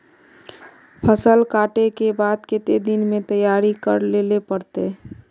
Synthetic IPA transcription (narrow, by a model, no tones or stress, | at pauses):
pʰəsəlkaːʈekebaːd̪ket̪ed̪ɪnmẽt̪əjaːɾikəɾlelepəɾt̪e